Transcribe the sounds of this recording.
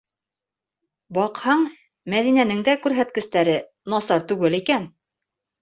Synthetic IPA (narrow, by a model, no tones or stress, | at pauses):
bɑqhɑɴ | mæðinænɘ̆ŋd̪ækʉɾɦæt̪̚kɘ̆st̪æɾɘ | nɑsɑɾt̪ʉɡɘlikæn